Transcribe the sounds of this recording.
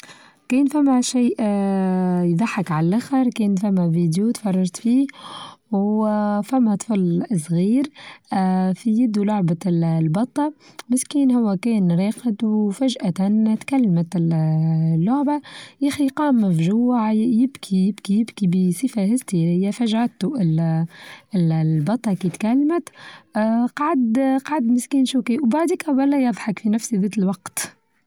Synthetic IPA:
kɛːnfæmːæʃiːʔ | jd̪ˤɑħːɑkʕallʔaxɑɾˤkɛːnfæmːæviːd̪jut̪fɑrˤːɑɾˤt̪fiː | wfæmːæt̪ˤflsˤɣiːɾ | fijɪd̪ːlʊʕballbɑt̪ˤːɑ | mɪskiːnhʊwːækɛːnɾeːqəd̪wfæʒʔat̪ant̪kalːmæt̪ | lːʊʕbajæxiqɑːmːfʒʊwaʕjɪbkʰijɪbkijɪbkibisˤifahɪst̪iɾɪjːafaʒʕat̪ːuɪl | ɪlbɑt̪ˤːɑkiːt̪kalːmæt̪ː | qɑʕad̪qʕad̪mɪskiːnʃuːkiʔwbaʕd̪iːkawælːæjɑðˤħɑkfinæfsiðeːt̪ɪlwɑqt̪

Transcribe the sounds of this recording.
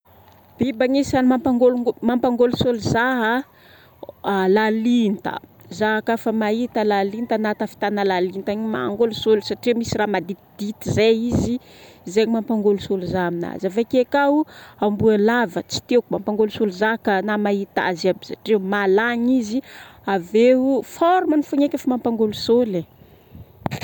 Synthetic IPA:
b̥ibaŋisanimampaŋɡolumampaŋɡolusoluzaɦə | lalint̪ə̰ | zaɦakafəmaɦit̪əlalint̪anat̪afi̥t̪analalint̪aɲima̰ŋɡolusolsaʈ͡ʂimisiramad̪it̪id̪̥it̪izaizi | zeɲimampaŋɡolusoluzamina̰zavakekauambualavət͡si̥t̪ewkumampaŋɡolusoluzakənamait̪a̰zabisaʈ͡ʂemalaɲiziaveufɔɾumənifuɲekʲafamampaŋɡolusole

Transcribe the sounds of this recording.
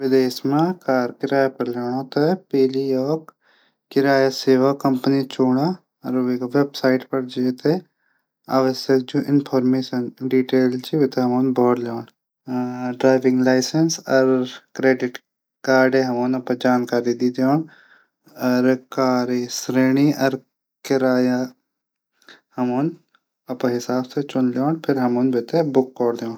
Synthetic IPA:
ʋɪd̪eːʃmãkaːɾkɪɾaːjapɐɾleːɽ̃õt̪ɐpeːliɔːk | kɪɾaːjaseːʋakɐmpənit͡ʃoːɽa | ɾeʋebsaːɪʈpɐɾd͡ʒeːt̪e | aːʋəsjək̚d͡ʒoʔɪnpʰɔːɾmeːʃənɖiːʈeːlt͡ʃiʋet̪eɦɐmoːnbʱɔːɽloːn | ɖɾaːɪʋɪ̃ŋɡlaːɪsənsɐɾkɾeːɖɪʈ | kaːɾɖẽɦɐmoːnɐpəd͡ʒaːnkaːɾid̪iːd̪eoːn | ɐɾkaːɾisɾeːñiʔɐɾ | kɪɾaːja | hɐmoːn | ɐpɦɪsaːbset͡ʃʊnloːnpʰɪɾɦɐmoːnbet̪ebʊkːɔːɾd̪eõː

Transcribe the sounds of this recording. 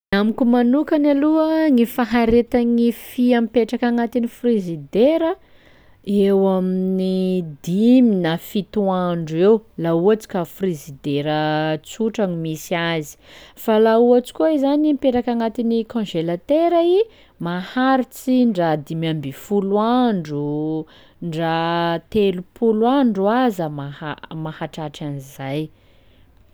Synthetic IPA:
amikumanukanaluəŋifaɦaɾet̪aŋifiampeʈ͡ʂakaŋat̪inifrezid̪eɾə | ewaminid̪iminafit̪uaɳɖ͡ʐuewlauat͡si̥kafrizid̪eɾət͡suʈ͡ʂaŋimisiazi̥falauat͡si̥kʲuizanimpeɾakaŋat̪inikɔ̃ʒelat̪eɾai | mahaɾit͡siɳɖ͡ʐad̪imambifulwaɳɖ͡ʐu | ɳɖ͡ʐat̪elupulwaɳɖ͡ʐuazəmahamahaʈ͡ʂaʈ͡ʂanizaj

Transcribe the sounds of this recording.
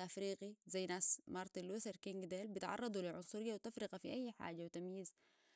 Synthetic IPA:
ʔafɾiːqizajːnaːsmɑɾˤt̪ilusɑɾkiŋɡd̪eːlbit̪ʕɑ̰rˤːɑd̪ˤuliʕʊnsˤuɾɪjːawt̪afɾɪqafiʔajːħa̰ːd͡ʒawit̪amjiːz

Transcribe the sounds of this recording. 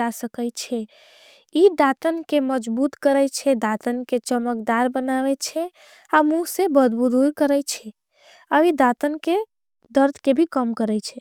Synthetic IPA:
asəkət͡ʃʰɛ | id̪at̪ənkeməd͡ʒbut̪kəɾɛt͡ʃʰɛd̪at̪ənket͡ʃəməkd̪aɾbənaβɛt͡ʃʰɛ | amusebəd̪bud̪uɾkəɾɛjt͡ʃʰɛ | əʋid̪at̪ənke | d̪əɾd̪ʱkebʱikəmkəɾɛjt͡ʃʰɛ

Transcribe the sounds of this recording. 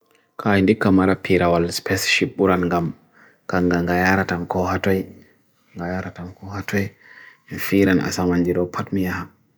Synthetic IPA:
kajndikːamaɾapʰiɾawalspʰɛsʃip̚ɓuɾanŋɡam | kaŋɡaŋɡajaɾatamkɔhatɔj | ŋɡajaɾatamkɔhatɔj | nfiɾanʔa̰samand͡ʒiɗɔpʰatmijaha

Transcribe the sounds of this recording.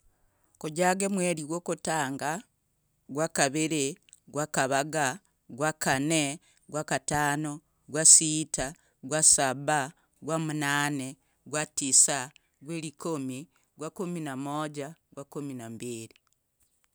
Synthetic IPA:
kuɟaɡemweɾiɡwoːkutaːŋɡa | ɡwakaβiɾi | ɡwakaβaɡa | ɡwakane | ɡwakataːno | ɡwasiːta | ɡwasaβa | ɡwamunaːne | ɡwatisa | ɡweːɾikomi | ɡwakuminamoɟaɡwakuminambiɾi

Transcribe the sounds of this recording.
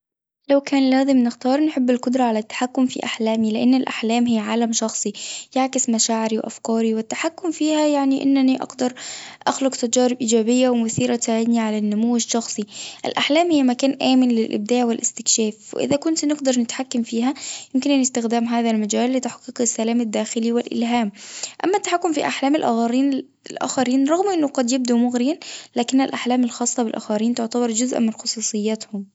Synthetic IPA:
lawkaːnlæːzɪmnɪxt̪ɑːɾˤnħɪbːɪlqʊd̪ɾˤɑʕalat̪ːḁħakːʊmfḭʔaħlaːmilɪʔanːɪlʔa̰ħlaːmɦɪjːʕaːlamʃɑxsˤijaʕkɪsmaʃaːʕɪɾiwʔa̰fkɑːɾiwɪt̪ːaħakːʊmfiːhajaʕniʔɪ̰nːaniʔɑ̰ɡd̪ɑɾˤʔaxlʊqt̪ad͡ʒɑːɾɪb̚ʔiːd͡ʒaːbɪjːawmʊθiːɾasaʕɪd̪niʕalanːʊmuwːd͡ʒʃɑxsˤiʔɪ̰lʔaħlaːmhɪːamakaːnʔaːmɪnlɪlʔɪ̰b̚d̪aːʕwɪlʔɪst̪ɪkʃaːfwɪ̰ʔɪ̰ðækʊnt̪nɪɡd̪ɑɾˤnɪt̪ħakːamfiːɦajɪmkɪnʔanɪst̪ɪxd̪aːmɦaːðalmad͡ʒaːlːɪt̪aħqːiqɪsːalaːmad̪ːaːxɪliwɪlʔɪ̰lɦaːmʔa̰mːat̪ːḁħakːʊmfiʔaħlaːmɪlʔa̰ːxɑɾˤiːn | ɪlʔa̰ːxaɾiːnɾˤɑɣmʔɪnːʊqɑd̪jɪb̚d̪umʊɣɾɪjanlaːkɪnːɪlʔaħlaːmɪlxɑːsˤːɑbɪlʔa̰ːxɑɾiːnt̪ʊʕt̪abɑɾˤd͡ʒʊzʔmɪnxʊsˤuːsˤɨjːat̪hʊm

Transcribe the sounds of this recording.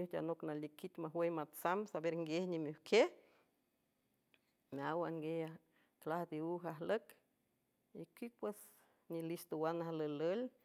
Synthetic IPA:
uhd͡ʒʲa̰noknalikit̪ʲmaɦwejmat͡samsabeɾŋɡehɲimuhkʰeh | meawaŋɡeha | klahd̪iuɦaɦlək | ikik̚pwes | nilist̪owanaɦalələl

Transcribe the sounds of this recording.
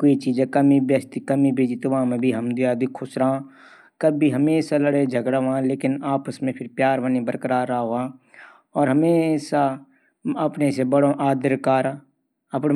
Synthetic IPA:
koit͡ʃiːd͡ʒẽkəmibjəst̪ikəmibʱeːd͡ʒit̪ʊʋãːmẽbʱiɦɐmd̪iad̪ikkʰʊsɾã | kəbbʱiɦəmeːsaləɽed͡ʒʱəɡɽaʋãːleːkɪnaːpəsmẽpʰɪɾpjaːɾʋənibəɾkəɾaːɾaːɦoãː | ɔːɾɦɐmeːsa | ɐpnesebəɽõʔaːd̪əɾkaːɾa | ɐpn

